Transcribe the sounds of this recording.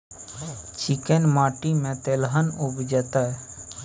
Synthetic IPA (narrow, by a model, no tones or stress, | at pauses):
t͡ʃikenmaːʈimẽt̪elɦənubd͡ʒət̪a